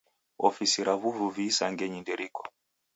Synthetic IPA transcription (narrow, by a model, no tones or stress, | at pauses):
ɔ̰fisiɾaβuvuvisaŋɡɛɲindɛɾikɔ̥